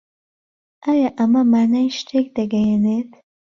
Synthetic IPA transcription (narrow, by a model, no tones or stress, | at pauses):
ʔaːjaʔɐmɐmaːnajʃtʰek̚d̪ɐɡɐjenet̪ʰ